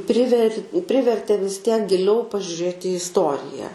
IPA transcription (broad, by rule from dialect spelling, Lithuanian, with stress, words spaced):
ˈpʲrʲɪʋʲɛrʲ ˈpʲrʲɪʋʲɛrʲtʲeː ʋʲɪs tʲiɛk ɡʲɪˈlʲɛʊ pɐʒʲʊˈrʲeːt ɪ ɪsˈtoːrʲɪjɛ